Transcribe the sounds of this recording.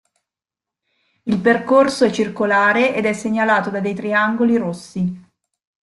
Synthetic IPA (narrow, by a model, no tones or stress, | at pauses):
ilperkorsoɛt͡ʃːirkolaːɾeʔed̪ɛsːeɲːalaːt̪od̪ad̪ejt̪ɾiaŋɡoliɾosːi